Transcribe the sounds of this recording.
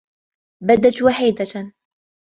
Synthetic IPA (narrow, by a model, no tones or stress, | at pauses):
bad̪at̪waħiːd̪a